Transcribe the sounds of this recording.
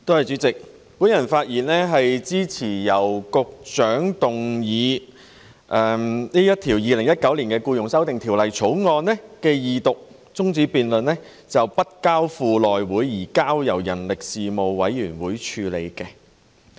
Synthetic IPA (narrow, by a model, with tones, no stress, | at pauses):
t̪o˥hɐ˨jt͡sy˨˥t͡sɪ˨k̚ | puː˨˥njɐ˨˩nfaː˧t̚jiː˨˩nlɛː˥ɦɐ˨jt͡siː˥t͡sʰiː˨˩jɐ˨˩wkʊ˧k̚t͡ʃœː˨˥ŋt̪ʊ˨ŋjiː˨˧ | ʔɛː˨niː˥jɐ˥t̪ʰiː˨˩wjiː˨˧lɪ˨˩ŋjɐ˥t̚kɐ˨˥wliː˨˩nkɛː˧kuː˧jʊ˨˩ŋsɐ˥wt̪ɪ˨ŋt̪ʰi˨˩wlɐ˨˩jt͡ʃʰo˨˥wŋɔː˧nːɛ˥kɛː˧jiː˨t̪ʊ˨k̚ | t͡sʊ˥ŋt͡siː˨˧˥piː˨nlɵ˨nlɛ˥ | t͡sɐ˨wpɐ˥t̚kaː˥wfuː˨˧lɔː˨jwuː˨˥jjiː˨˩kaː˥wjɐ˨˩wjɐ˨˩nlɪ˨k̚siː˨mo˨˧wwɐ˨˥jːyː˨˩nwuː˨˥jt͡ʃʰyː˨˧lḛ˨˧jkɛ˧